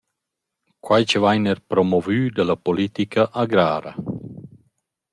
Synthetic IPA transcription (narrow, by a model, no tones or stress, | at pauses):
kwajt͡ʃəvajnɛɾpɾɔmɔvyːd̪alapolit̪ikʰaʔaɡɾaːɾa̰